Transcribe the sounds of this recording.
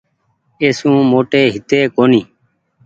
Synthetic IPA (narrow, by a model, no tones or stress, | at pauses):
eːsũːmoːʈeːɦɪt̪eːkoːniː